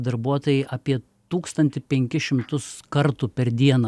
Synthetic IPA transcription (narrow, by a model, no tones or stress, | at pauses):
d̪ɐɾbuɔt̪oːjɛɪʔɐpʲiɛ | t̪uːkst̪ɐnʲt̪ʲɪpʲɛŋʲkʲɪʃʲɪmt̪ʊskɐɾt̪uːpʲɛɾd̪ʲiɛnɐ